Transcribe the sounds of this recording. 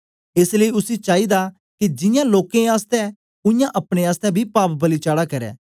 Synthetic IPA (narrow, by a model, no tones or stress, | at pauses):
ɪsləiʊsit͡ʃaːid̪a | kid͡ʒɪ̃jãloːkẽaːst̪ɛ̃ | ʊ̃jãʔɐpɽ̃eaːst̪ɛ̃bʱipaːpbɐlit͡ʃaːɽakɐɾɛ̰ː